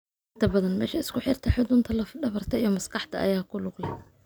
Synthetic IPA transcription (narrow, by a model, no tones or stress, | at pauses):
ʔɪnt̪ʰɐbɐðɐnmɛːʃɐɪskʰʊħɪrt̪ʰɐħɪd̪ʊnt̪ʰɐlɐfɖɐβɐrt̪ʰɐijɔmɐskɑħt̪ʰɐʔɐ̰jaːkʰʊlʊɡlɐ